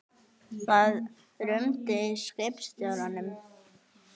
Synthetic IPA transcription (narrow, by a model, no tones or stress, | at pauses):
vað | ɾʏmt̪ɪskɛpst̪jœlanʏm